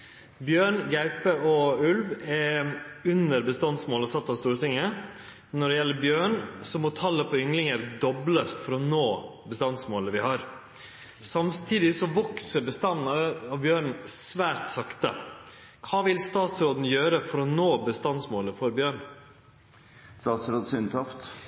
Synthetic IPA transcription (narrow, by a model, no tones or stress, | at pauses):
bjøːɳɡæɪpəɔʉlʋɛʉnəɾbəst̪ɑnsmoːləsɑt̪ːɑst̪uːɾət̪ɪŋːə | nɔɖɛjɛlːəbjøːɳsɔmɔt̪ʰɑlːəpʰɔʏŋlɪŋəɾd̪ɔbləst̪fɔɾɔnoːbəst̪ɑnsmoːləʋɪhɑːɾ | sɑmt̪ʰiːd̪ɪsɔʋɔksəɾbəst̪ɑnːɑʋbjøːɳ̩sʋæːɾt̪sɑkt̪ə̰ | kʰɑːʋɪlst̪ɑːt̪sɾoːd̪n̩jøːɾəfɔɾɔnoːbəst̪ɑnsmoːləfɔɾbjøːɳ | st̪ɑːt̪sɾoːd̪sʏnt̪ʰɑft̪